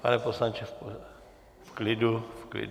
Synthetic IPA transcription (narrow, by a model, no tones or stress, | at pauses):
pa̰nɛposlant͡ʃɛfo | fklɪdufklɪ̰d